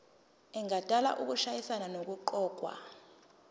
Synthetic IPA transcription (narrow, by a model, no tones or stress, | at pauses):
ɛŋʱatʼala̰ʔuk̬uʃajisananok̬ʼuǃɔːk̬ʼwa̰